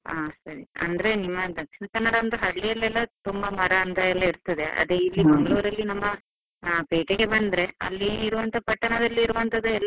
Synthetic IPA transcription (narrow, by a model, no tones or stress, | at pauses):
aːsɐɾiɐ̰nd̪ɐɾe̞nimːɐd̪ɐkʂinɐkɐnːɐɽɐɐnd̪ɐɦɐɭːijɐlːɛlːɐt̪umbɐmɐɾɐːnd̪ɐɛlːɐiɾt̪ɐd̪e̞ʔɐ̰d̪eilːimɐŋɡɐɭuːɾɐlːinɐmːɐ | peːʈeɡe̞bɐnd̪ɾe̞ɐ̰lːiːɾuʋɐnt̪ʰɐpɐʈːɐɳɐd̪ɐlːiːɾuʋɐnt̪ʰɐd̪uɛlː